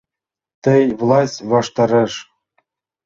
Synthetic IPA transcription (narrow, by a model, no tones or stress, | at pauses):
t̪ɘ̆jvlˠɑsʲtʲβɑʂt̪ɑɾɤ̆ʂ